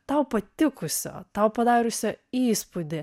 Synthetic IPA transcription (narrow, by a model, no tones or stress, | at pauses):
t̪ɐʊpɐt̪ʲɪkʊsʲo̰ːt̪ɐʊpɐd̪ɑːɾʲʊsʲoiːspud̪ʲɪ